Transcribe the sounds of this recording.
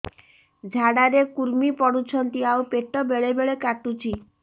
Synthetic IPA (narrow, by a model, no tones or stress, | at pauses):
d͡ʒʱaɽaɾekuɾmipɔɽut͡ʃʰɔnt̪iaupeʈɔbeɭebeɭekaʈut͡ʃʰi